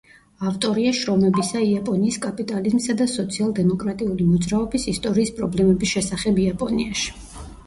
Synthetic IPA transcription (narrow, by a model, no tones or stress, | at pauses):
aft̪ʼɔɾiaʃɾɔmɛbisaiapʼɔniːskʼapʼit̪ʼalizmsad̪asɔt̪sʰialˠd̪ɛmɔkʼɾat̪ʼiulimɔd̪zɾaɔbisist̪ʼɔɾiːspʼɾɔblɛmɛbisʃɛsaχɛbiapʼɔniaʃi̥